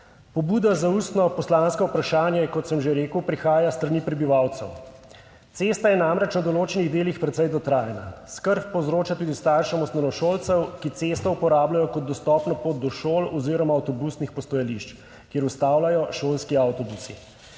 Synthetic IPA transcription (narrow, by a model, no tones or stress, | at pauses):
pɔbuːd̪azaust̪nɔpɔslanskɔupɾaʃaːnjɛkɔt̪səmʒeɾeːkəwpɾixaːjast̪ɾaniːpɾɛbiʋawt̪sɛ̰w | t̪seːst̪ajɛnamɾɛt͡ʃnad̪ɔloːt͡ʃɛniɣd̪eːlixpɾɛt̪sɛjd̪ɔt̪ɾaːjna̰skəɾpːɔwzɾoːt͡ʃat̪uːd̪ist̪aɾʃɛmɔst̪nɛnɔʃoːlt̪sɛwkit̪sest̪ɔupɔɾaːblajɔkɔd̪̚d̪ɔst̪ɔpnapoːt̪̚d̪ɔʃoːlɔziɾɔmawt̪ɔbusnixpɔst̪ɔjaliʃt͡ʃ | kjeɾust̪aːwlajɔʃoːlskiawt̪ɔbusḭ